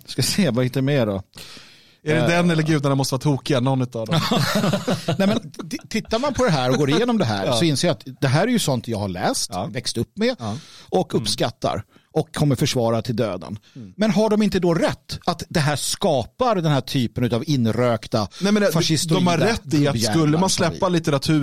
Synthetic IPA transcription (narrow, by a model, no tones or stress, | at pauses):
skaseːvahɪt̪ːəɾmeːɖɔ | æɖɛd̪ɛnːɛlːəɾɡʉ̟ːd̪anamɔst̪əvɑɾat̪ʰuːkɪɡanɔnːʉ̟ːt̪avd̪ɔ | ɛmɛnt̪ʰɪt̪ːaɾmanpʰɔd̪ɛɦæːɾɔɡoːɾɪjeːnɔmd̪ɛɦæ̰ːɾsɔɪnseːɾjat̪d̪ɛɦæːɾæɾjɵsɔnt̪jɑːɡhaɭɛ̰ːst̪vɛkst̪ɵpːmɛʔɔkɵpːskat̪ːa̰ɾ | ʔɔkʰːɔmːəɾfœʂvɑːɾat̪ʰɪld̪ø̰ːd̪ə̰nmɛnɦaɖɔmɪnt̪əd̪ɔɾɛt̪ːat̪d̪ɛɦæːʂkɑːpaɾd̪ɛnhɦæːʈʰyːpənʉ̟t̪avɪnːɾøːkt̪anɛmɛnfaʂɪst̪dɔmhaɾːɛt̪ːɪkɵlːəmanslɛpːalɪt̪əɾat̪ʰʉ̟ː